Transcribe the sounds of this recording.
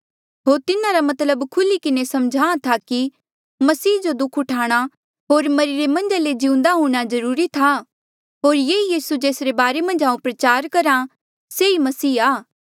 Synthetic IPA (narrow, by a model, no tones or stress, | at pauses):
ɦoːɾt̪ɪnaɾamɐt̪ləbkʰʊlikɪnesɐmd͡ʒʱaːãt̪ʰaki | mɐsiːd͡ʒod̪ʊkʰʊʈʰaːɽ̃a | ɦoːɾmɐɾɪɾemɐ̃nd͡ʒaled͡ʒɪũnd̪aɦũːɽ̃azɐɾuːɾit̪ʰa | ɦoːɾjeːijiːsud͡ʒeːsɾebaːɾemɐ̃nd͡ʒaːũpɾɐt͡ʃaːɾkɐɾa | seimɐsiːaː